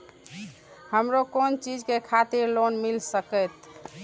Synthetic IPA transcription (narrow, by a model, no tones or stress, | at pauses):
həmɾokont͡ʃid͡ʒkekʰat̪iɾlonmilsəkəjt̪